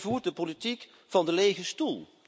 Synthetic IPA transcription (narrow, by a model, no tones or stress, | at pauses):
vuːɹt̚dəpolitik | fɑndəlejχəstulˠ